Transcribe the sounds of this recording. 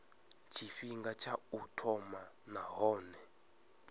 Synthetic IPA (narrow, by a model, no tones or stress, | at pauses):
t͡ʃʰifiŋɡat͡ʃʰautʰɔma | naɦɔːnɛ